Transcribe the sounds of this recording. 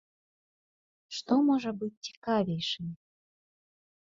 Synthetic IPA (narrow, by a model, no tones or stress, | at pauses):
ʂt̪ɔmɔʐɐbɨt̚ʲːt͡sʲi̥kavʲejʂɨm